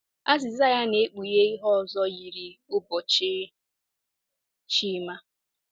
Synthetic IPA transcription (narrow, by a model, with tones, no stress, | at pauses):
a˦zɪ˨za˦ja˦ne˨˦k͡pu˨je˦i˦ɦɔ˦ɔ˨zɔ˦ji˨ɾi˨ʊ˦bɔ˨t͡ʃ | t͡ʃi˦ma˦